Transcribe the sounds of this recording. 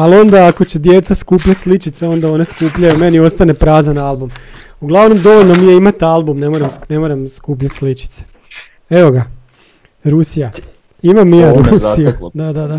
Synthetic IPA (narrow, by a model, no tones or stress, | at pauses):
alo̞nd̪aːko̞t͡ɕe̞d̪je̞t̪saskuːpʎat̪ʲslit͡ʃit̪seo̞nd̪ao̞ne̞skuːpʎajume̞nio̞st̪ane̞pɾaːzanalˠbumuɡlˠaʋno̞md̪o̞ʋoʎnomijeimat̪alˠbumne̞moɾemsne̞mo̞ɾemskuːp̬ʎat̪slit͡ʃi̥t̪se̥ | e̞ʋo̞ɡa | ɾusija | imamːijaɾusijud̪ad̪ad̪a